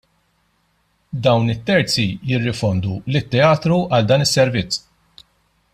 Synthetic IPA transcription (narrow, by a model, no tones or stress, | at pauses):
d̪ɐwnɪt̪ːɛɾt͡sijɪrːɪfɔnd̪ulɪt̪ːɛɐːt̪ɾuɐld̪ɐːnɪsːɛɾvɪt͡sː